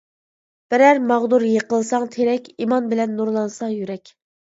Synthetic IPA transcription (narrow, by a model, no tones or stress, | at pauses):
b̥ɪɾæɾmɑʁd̪uɾjeqəlˠsɑŋt̪ʰeɾɛkʲimɑnbɪlɛnːuɾlˠɑnsɑjyɾɛkʲ